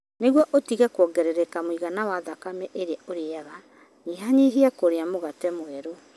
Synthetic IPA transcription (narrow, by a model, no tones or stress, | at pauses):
neɣwɔʔotiɣakwɔːɡɛɾeɾɛkamwiɣanawaðakamɛʔeɾeaoɾeaɣa | ɲiɦaɲiɦiakoɾeamoɣatɛmwɛɾo